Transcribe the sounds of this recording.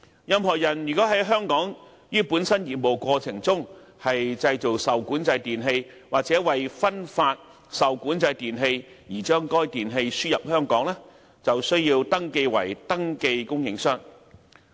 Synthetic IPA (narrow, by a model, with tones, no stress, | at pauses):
jɐ˧mɦɔː˨˩jɐ˨˩njy˨˩kɔː˨˥ɦɐ˨˥jɦœː˥ŋkɔː˨˥ŋ | jiː˥puː˨˥nsɐ˥njiː˨t̚mo˨˩wkʷɔː˧t͡sʰɪ˨˩ŋt͡sʊ˥ŋ | hɐ˨jt͡sɐ˧jt͡so˨˩wsɐ˨wkuː˨˥nt͡sɐ˧jt̪iː˨nɦe˧j | waː˨˩k̚t͡sɛː˨˥wɐ˨jfɐ˥nfaː˧t̚ | sɐ˨wkuː˨˥nt͡sɐ˧jt̪iː˨nɦe˧j | jiː˨˩t͡ʃœː˥ŋkɔː˥jt̪iː˨˩nɦe˧jsyː˥jɐ˨p̚hœː˥ŋkɔː˨˥ŋlɛː˥ | t͡sɐ˨wsɵ˥ɥjiː˧wt̪ɐ˥ŋke˧jwɐ̰˨˩jt̪ɐ˥ŋke˧jkʊ˥ŋjɪ˨ŋsœː˥ŋ